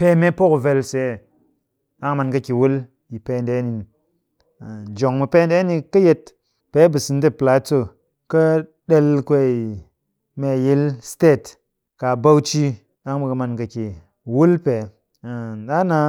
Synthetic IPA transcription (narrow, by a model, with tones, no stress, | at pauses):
pe˦me˦po˦ku˨ve˧lse˨˦˨ | a˦ŋ˦ma˧nkɐ˧kʲi˨wu˦l | ji˨pe˦˨nde˨˦ni˨ | d͡ʒo˨ŋmu˧pe˦n˦de˦ni˧kɐ˦je˧t | pe˦bɨ˨sɨ˧n˦t̬e˦pla˨˦t͡sːo˦˨ | kɐ˦ | ɗe˧lkʷe˦i˨ | me˨ji˦lste˦˨t | ka˨ba˦wt͡ʃi˦ | a˦ŋbu˨kɐ˧ma˧nkɐ˨ki˨ | wu˦lpe˨ | ɗa˦na˧